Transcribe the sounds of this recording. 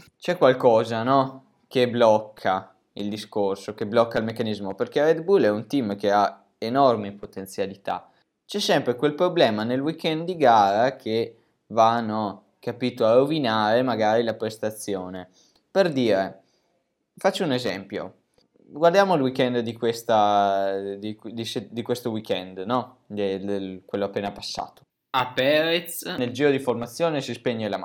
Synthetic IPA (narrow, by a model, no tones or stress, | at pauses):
t͡ʃɛkːwalkɔːzanɔ | keblɔkʰːa | ild̪iskorsokeblɔkːailmekːanizmoperkered̪bulɛunt̪imk̟ea | enɔrmipot̪ent̪sjalit̪a̰ | t͡ʃɛsːɛmpɾekwelpɾoblɛːmanelwikɛnd̪d̪iɡaːɾakʰe | vanːo | kapit̪oarovinaːɾemaɡaːɾilapɾest̪at̪sːjoːne | perd̪iːɾe | fat͡ʃːounezɛ̰mpjo̰ | ɡward̪jaːmoilwikɛnd̪d̪ikwest̪a | d̪id̪ised̪ikwest̪owikɛnd̪nɔ | d̪eelkwelːoapːeːnapasːa̰ːt̪o̥ | apːɛːɾet̪sneld͡ʒiːɾod̪iformat̪sːjoːnesispeɲːelam